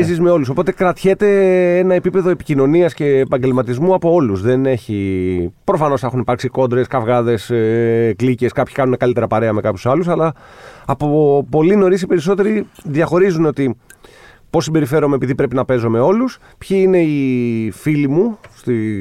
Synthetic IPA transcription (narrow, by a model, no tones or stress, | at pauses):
zizme̞o̞lus̬o̞po̞t̪e̞kɾɐt̪çe̞t̪e̞enɐe̞pipeðo̞e̞pi̥cino̞niɐsce̞ːpɐɲɟe̞lmɐt̪izmuɐpo̞o̞luzðe̞ne̞çipɾo̞fɐno̞sexunipɐɾksiko̞nd̪ɾeskɐvɣɐðe̞sklice̞skɐpçi̥kɐnune̞kɐlit̪e̞ɾɐpɐɾe̞ɐme̞kɐpçu̥sɐlusɐlɐːpopo̞lino̞ɾisipe̞ɾis̬o̞t̪e̞ɾiðjɐxo̞ɾizuno̞t̪i | po̞sibe̞ɾife̞ɾomeːpiðipɾe̞pinɐpe̞zome̞o̞lus | pçiine̞ifilimust̪i